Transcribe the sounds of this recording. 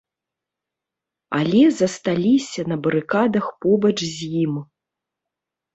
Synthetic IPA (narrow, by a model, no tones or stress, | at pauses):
alʲɛzɐst̪alʲisʲɐnɐbɐɾɨkad̪ɐxpɔbɐt͡ʂzʲjim